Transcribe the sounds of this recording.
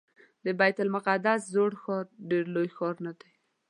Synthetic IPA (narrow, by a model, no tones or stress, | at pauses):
d̪əbajt̪almʊqad̪aszoɽxɑɾɖeɾlojxɑɾnad̪aj